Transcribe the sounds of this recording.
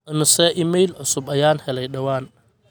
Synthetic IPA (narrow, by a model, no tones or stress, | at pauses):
ʔɐmɪsɛʔɪmɛjlʕʊsʊbɐjaːnhɛlɛjɗɐwaːn